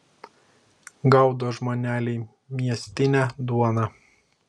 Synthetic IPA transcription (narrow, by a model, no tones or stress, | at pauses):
ɡɐʊd̪oːʒmoːnʲæːlʲɛɪ | mʲiɛsʲt̪ʲɪnʲæːd̪uɔnɑ